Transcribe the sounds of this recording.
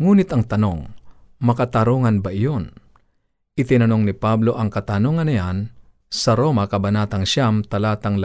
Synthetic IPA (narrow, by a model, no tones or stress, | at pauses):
ŋuːnɪt̪ɐŋt̪ɐno̞̰ŋ | mɐkɐt̪ɐɾoŋɐnbɐʔɪjon | ʔɪt̪ɪnɐno̞ŋnɪpablo̞ʔɐŋkɐt̪ɐnoŋɐnɐjan | sɐɾo̞mɐkɐbɐnaːt̪ɐŋʃamt̪ɐlaːt̪ɐŋl